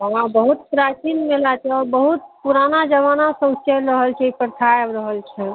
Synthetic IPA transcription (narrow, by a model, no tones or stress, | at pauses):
ɦəɦãbəɦut̪pɾat͡ʃinmelat̪ɛɔːɾbəɦut̪̚puɾanad͡ʒəʋanasə̃ut͡ʃɛɾəɦəlt͡ʃʰɛipəɾt̪ʰaebɾəɦəlt͡ʃʰɛ